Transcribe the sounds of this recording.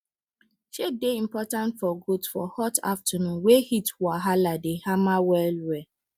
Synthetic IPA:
ʃedeĩm̩pɔtãntfɔɡudsfɔ̰hɔta̰ftʰanũnwehitwaɦaladehamawɛlwɛ

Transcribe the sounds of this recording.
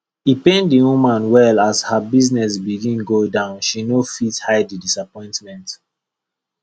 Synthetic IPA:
hipẽndiwũmãnwɛlashabiznɛs̬biɡĩnɡodãʊ̃nʃinofithaɪdidisapɔ̃ɪ̃ntmɛ̃nt

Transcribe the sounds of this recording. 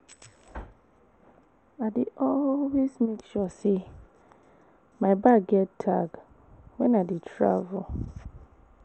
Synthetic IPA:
adeʔɔlwesmekʃɔse | maɪbaɡɡɛttʰaɡ | wɛ̃nadetʰɹa̰vul

